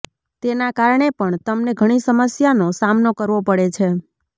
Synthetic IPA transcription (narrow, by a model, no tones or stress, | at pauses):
t̪enakaɾɳepəɳt̪əmneɡʱəɽ̃isəməsjanosamnokəɾʋopəɽet͡ʃʰe